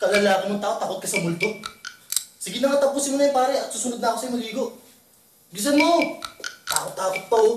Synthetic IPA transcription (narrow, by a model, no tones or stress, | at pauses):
kɐlɐlaːkɐmʊŋt̪aːʔot̪ɐkot̪̚kɐsɐmʊld̪o | sɪɡɪnɐŋat̪ɐpuːsɪnmonɐjnpaːɾɐt̪suːsʊnʊd̪nɐʔːkosɐjʊmɐɡiːɡoʔ | ɡɪs̬ɐnmo | t̪a̰ːkot̪ːaːkʊt̪̚pɐo